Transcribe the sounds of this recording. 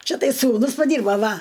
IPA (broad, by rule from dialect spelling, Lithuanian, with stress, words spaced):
ˈt͡ʃʲɛ ˈtɐɪ suːˈnʊs pɐˈdʲiːrboː ˈʋɐ